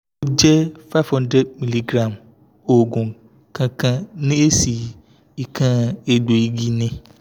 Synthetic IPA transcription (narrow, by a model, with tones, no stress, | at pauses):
wo˦d͡ʒɛ˦fa˦vhɔ̃˦ndɾɛ˦dmi˦li˦ɡɾa˨m | o˨ɡɔ̃˨ | kʰã˦kã˦nẽ˦e˦si˨ | i˨kʰã˦˨e˨ɖo˨ji˦ɡi˦nẽ˦